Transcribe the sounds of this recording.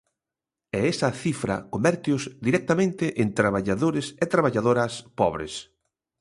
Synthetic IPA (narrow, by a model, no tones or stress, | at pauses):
ɛɛsɐθifɾɐ̰kombɛɾt̪jʊzd̪iɾɛk̚t̪amẽnt̪ɪʔent̪ɾaβaʎaðoɾɪset̪ɾaβ̞aʎaðoɾɐspɔβɾḛs